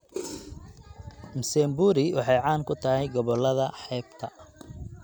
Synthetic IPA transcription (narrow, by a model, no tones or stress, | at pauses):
msɛmbuːɾɪwɑħɑjʕɑːŋkʰʊt̪ʰɐɦɛjɡɔβɔlːɐðɐħɛːbt̪ʰɐ